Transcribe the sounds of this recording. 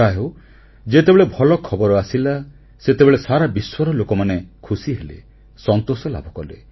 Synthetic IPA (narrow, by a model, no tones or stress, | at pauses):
aɦew | d͡ʒet̪ebeɭebʱɔlɔkʰɔbɔɾɔasila | set̪ebeɭesaɾabiswɔɾɔlokɔmanekʰusiɦelḛ | sɔnt̪osɔla̰bʱɔkɔlḛ